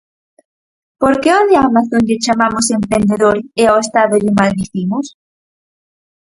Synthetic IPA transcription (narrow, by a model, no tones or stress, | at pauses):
poɾkeond̪eamaθõnʎet͡ʃamamʊsempɾend̪eðoɾɛawest̪aðoðumalβiθimʊs